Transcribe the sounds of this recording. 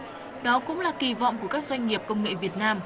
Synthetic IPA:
ɗɔ˨˦kʊ̰˧˥ŋ͡mlaː˨˩ki˨˩vɔ̰˧˨ŋ͡mku˧˩əkaː˦˥k̚zwa˧jŋ̟ŋi˨˩əp̚kə˧wŋ͡mŋḛ˧˨vi˨˩ət̚naː˧m

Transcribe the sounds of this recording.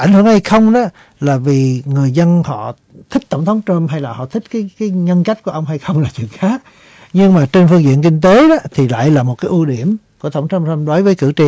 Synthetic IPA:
ʔa˧˩jŋ̟hɨ˧˩əŋha˧jxə˧wŋ͡mɗɔ˨˦˥ | laː˨˩vi˨˩ŋɨ˨˩əjzə˧nhɔ̰˧˨ | t̪ʰi˦˥k̟̚t̪ə˧˩wŋ͡mt̪ʰə˨˦wŋ͡mt͡ɕə˧mɦa˧jlaː˨˩hɔ̰˧˨t̪ʰï̟˦˥kaː˨˦jkaː˨˦jɲə˧nka˦˥k̟̚ku˧˩ʔə˧wŋ͡mɦa˧jxə˧wŋ͡mlaː˨˩t͡ɕwḭ˧˨əŋxaː˨˦˥t̚ | ɲɨ˧ŋmaː˨˩t͡ɕe˧nfɨ˧ŋzḭ˧˨ənkï˧ŋ̟t̪e˨˦ɗɔ˨˦t̪ʰi˨˩la̰ː˧˨jlaː˨˩mo˨˩t̚kaː˨˦jʔu˧ɗi˧˩əmku˧˩əə˧˩wŋ͡mt̪ʰə˧˦wŋ͡mtə˧mɗo˨˦jvəː˨˦jkɨ̰˧˩t͡ɕi˨˩

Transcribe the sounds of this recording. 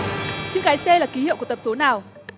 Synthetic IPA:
t͡ɕɨ̰˧˥ŋɣaː˨˦jse˧laː˨˩ki˨˦ɦḭ˧˨ku˧˩t̪p̚so˨˦naː˨˩w

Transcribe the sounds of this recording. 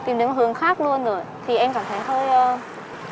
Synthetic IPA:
t̪i˨˩mɗɨ˨˦ŋɦhɨ˨˧˩əŋxaː˦˥k̚lu˧ənzo˧˩jt̪ʰi˨˩ʔɛ˧mkaː˧˩mt̪ʰə˨˧˩jt̪ʰəː˧˦jzɔ˧

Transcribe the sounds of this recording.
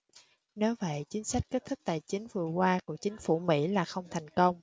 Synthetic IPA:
ne˨˦wvə̰˧˨jt͡ɕï˨˦ŋ̟sa˦˥jk̟̚ke˦˥t̚t̪ʰɨ˦˥k̚t̪a̰ː˧˨jt͡ɕï˨˦ŋ̟vɨ˨˩əkwaː˧ku˧˩ək̚t͡ɕï˨˦ŋ̟fu˧˩mḭ˧˥laː˨˩xə˧wŋ͡mt̪ʰɛ˨˩jŋ̟kə˧wŋ͡m

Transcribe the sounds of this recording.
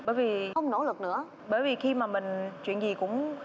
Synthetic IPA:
ɓəː˧˩˦jvi˨˩xə˧wŋ͡mno̰˧˥lɨ˨˩k̚nɨ̰˧˥ə | ɓəː˧˩˦jvi˨˩xi˧maː˨˩mï˨˩ŋ̟t͡ɕwḭ˧˨ənzi˨˩kʊ̰˧˥ŋ͡m

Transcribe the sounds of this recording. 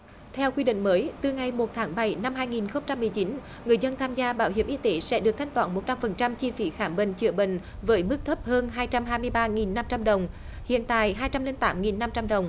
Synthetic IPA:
t̪ʰɛ˧wkwi˧ɗḭ̈˧˨ŋ̟məː˨˦jt̪ɨ˨˩ŋa˨˩jmo˨˩t̚t̪ʰaː˨˦ŋɓa˧˩jna˧mɦaː˧jŋi˨˩nxə˧wŋ͡mt͡ɕa˧mːɨ˨˩əjt͡ɕi˨˦n | ŋɨ˨˩əjzə˧nt̪ʰaː˧mzaː˧ɓaː˧˩whḭ˧˩əmʔi˧˦t̪e˨˦sɛ̰˧˥ɗɨ˨˩ək̚t̪ʰa˦jŋt̪waː˧˩˦nmo˨˩t̚t͡ɕa˧mfə˨˩nt͡ɕa˧mt͡ɕi˧fi˨˦xaː˧˩mɓï˨˩ŋ̟t͡ɕɨ˧˩əɓḭ̈˧˨ŋ̟ | vəː˨˦jmɨ˦˥k̚t̪ʰə˦˥p̚həː˧nɦaː˧jt͡ɕa˧mɦaː˧jmɨ˧əjɓaː˧ŋi˨˩nːa˧mt͡ɕa˧mɗə˨˩wŋ͡m | hḭ˧˨ənt̪a̰ː˧˨jɦaː˧jt͡ɕa˧mli˧nt̪aː˨˦mŋi˨˩nːa˧mt͡ɕa˧mɗə˨˩wŋ͡m

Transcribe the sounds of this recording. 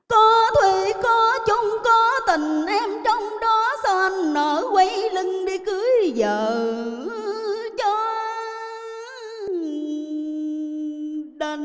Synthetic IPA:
kɔ˨˦t̪ʰwe˧˨˩kɔ˨˦t͡ɕʊ˨˧˦ŋ͡mkɔ˨˦t̪ï˨˩ŋ̟ʔɛ˧mt͡ɕɔ˧wŋ͡mɗɔ˨˦sa˧ʔa˧ŋnəː˧˩˦kwa˨˦jlɨ˧ŋɗi˧kɨ˨˦jzəː˨˩˨ | t͡ɕɔ˧˦ | ɗə˧˩

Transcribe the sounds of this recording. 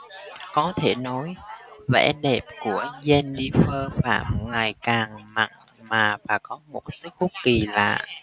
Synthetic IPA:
kɔ˨˦t̪ʰe˧˩nɔ˨˦jvɛ̰˧˥ɗe˨˩p̚ku˧˩əzɛ˧nɗi˧fəː˧faː˧˩mŋa˨˩jkaː˨˩ŋma̰˧˩˨ŋ | maː˨˩vaː˨˩kɔ˨˦mo˨˩t̚sɨ˦˥k̚kʊ˦˥k͡p̚ki˨˩la̰ː˨˩˨

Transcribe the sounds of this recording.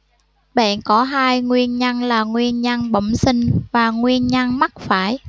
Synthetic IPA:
ɓa̰ː˧˨nkɔ˨˦ɦaː˧jŋwi˧ənɲa˧nlaː˨˩ŋwi˧ənɲa˧nɓə̰˧˨ŋ͡msï˧ŋ̟vaː˨˩ŋwi˧ənɲa˧ŋma˦˥t̚faː˧˩j

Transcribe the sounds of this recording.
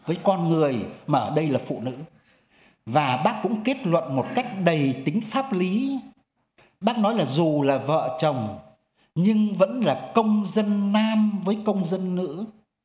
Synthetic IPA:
vəː˨˦jkɔ˧nŋɨ˨˩əjmaː˨˩ʔəː˧˩ɗə˧jlaː˨˩fṵ˧˨nɨ̰˧˥ | vaː˨˩ɓaː˦˥k̚kʊ̰˧˥ŋ͡mke˦˥t̚lwə̰˧˨nmo˨˩t̚ka˦˥jk̟̚ɗə˨˩jt̪ï˨˦ŋ̟faː˦˥p̚li˨˦ | ɓaː˦˥k̚nɔ˨˦jlaː˨˩zu˨˩laː˨˩və̰ː˧˨t͡ɕə˨˩wŋ͡m | ɲɨ˧ŋvə̰˧˥nlaː˨˩kə˧wŋ͡mzə˧nːaː˧mvəː˨˦jkə˧wŋ͡mzə˧nːɨ̰˧˥

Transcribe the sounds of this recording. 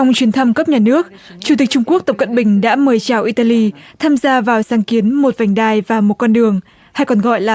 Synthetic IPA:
t͡ɕa˧wŋ͡mt͡ɕwi˨˦ənt̪ʰa˧mkə˦˥p̚ɲaː˨˩nɨ˦˥ək̚ | t͡ɕu˨˩t̪i˨˩k̟̚t͡ɕʊ˧ŋ͡mku˦˥ək̚t̪ə˨˩p̚kə̰˧˨nɓï˨˩ŋ̟ɗa̰ː˧˥məː˨˩jt͡ɕaː˨˩wʔi˧t̪aː˧li˧t̪ʰaː˧mzaː˧vaː˨˩wsaː˨˦ŋki˨˦ənmo˨˩t̚va˨˩jŋ̟ɗaː˧jvaː˨˩mo˨˩t̚kɔ˧nɗɨ˨˩əŋ | ha˧jkɔ˨˩nɣɔ̰˧˨jlaː˨˩

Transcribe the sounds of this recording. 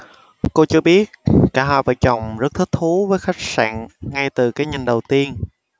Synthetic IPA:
ko˧t͡ɕɨ˧əɓi˦˥ət̚kaː˧˩ɦaː˧˨˩va̰ː˧˩t͡ɕɔ˨˧˩wŋ͡mzə˦˥t̚t̪ʰk̚t̪ʰu˨˦vəː˨˦jxa˦˥jk̚sa̰ː˧˨nŋa˧jt̪ɨ˨˩kaː˨˦jɲï˨˩ŋɗə˨˩wt̪i˧ən

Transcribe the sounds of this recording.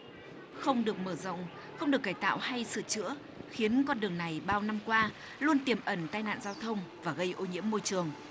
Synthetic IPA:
xə˧wŋ͡mɗɨ˨˩ək̚məː˧˩zə̰˧˨wŋ͡m | xə˧wŋ͡mɗɨ˨˩əkːaː˧˩jt̪a̰ː˧˨wha˧jsɨ̰˧˩t͡ɕɨ̰˧˥ə | xi˨˦ənkɔ˧nɗɨ˨˩əŋna˨˩jɓaː˧wna˧mkwaː˧ | lu˧ənt̪i˨˩mʔə˧˩nt̪aː˧jna̰ː˧˨nzaː˧wt̪ʰə˧wŋ͡mvaː˨˩ɣə˧jʔo˧ɲḭ˧˥əmːo˧jt͡ɕɨ˨˩əŋ

